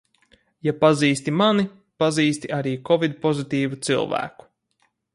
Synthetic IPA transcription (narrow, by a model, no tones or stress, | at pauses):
japaziːst̪imani | paziːst̪iʔaɾiːkɔvid̪̚pɔzit̪iːvut̪sḭlˠvæ̰ːku̥